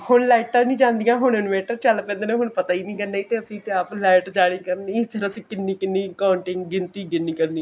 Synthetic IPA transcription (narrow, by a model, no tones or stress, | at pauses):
hʊnlɛːʈːaːnĩːd͡ʒãːnd̪ijãːɦʊɳ̃ɪnmeːʈəɾt͡ʃəlpɛ̃ːnd̪eːnẽɦʊɳpət̪aːiːnĩːkəɾnaːiːt̪eːəsĩːt̪eaplɛːɪʈd͡ʒaːɽ̃iːkəɾniːsʰɪɾəsĩːkɪnːiːkɪnːiːkaːɳʈɪŋɡɡɪnt̪iːɡɪnːiːkəɾniː